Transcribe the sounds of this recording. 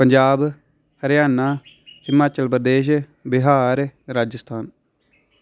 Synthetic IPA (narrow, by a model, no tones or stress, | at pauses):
pəɲd͡ʒaːb | hɐɾjaːnːa | hɪmaːt͡ʃəlpɾəd̪eːʃ̬ | bɪɦaːɾɾaːd͡ʒəst̪ʰaːn